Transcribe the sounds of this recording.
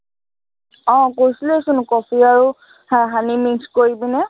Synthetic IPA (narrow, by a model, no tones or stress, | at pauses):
ɔ̃koɹjsiloesʊnkɔpʰiaɹu | ɦanimikskoɹibinɛ